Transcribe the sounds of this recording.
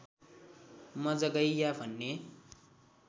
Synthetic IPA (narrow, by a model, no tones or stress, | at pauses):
mʌd͡zʌɡʌjjabʱʌnːe